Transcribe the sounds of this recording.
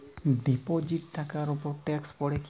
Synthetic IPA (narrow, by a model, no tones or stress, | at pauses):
ɖipod͡ʒiʈ̚t̪ʰːakaɾupɔɾʈɛkspɔɽek